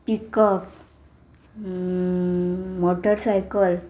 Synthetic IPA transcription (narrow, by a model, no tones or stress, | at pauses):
pikəp | moʈəɾsajkəl